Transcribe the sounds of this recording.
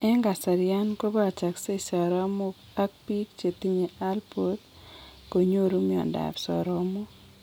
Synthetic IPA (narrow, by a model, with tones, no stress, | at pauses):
ɛ˦ŋɡa˨sa˨ɾja˦nko˦ba˦˨t͡ʃa˨kse˦sɔ˨ɾɔ˦mo˦k | a˦k̚pi˦k̚t͡ʃe˨t̪i˦ɲe˨ʔa˦lpo˨˦t̪ | ko˨ɲo˦ɾu˦mi˦ɔ̰˨nda̰˨psɔ̰˨ɾɔ˦mo˦